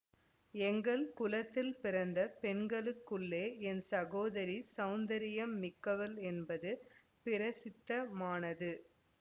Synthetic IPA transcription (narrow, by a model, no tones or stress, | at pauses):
ɛŋɡɐɭkʊlɐt̪ːɪlpɪɾɐnd̪ɐpɛɳɡɐɭɯkːɯɭːeːɛnsɐɣoːðɐɾisɐʊnd̪ɐɾɪjɐmːɪkːɐʋɐlɛnbɐðɯ | pɪɾɐsɪt̪ːɐmaːnɐðɯ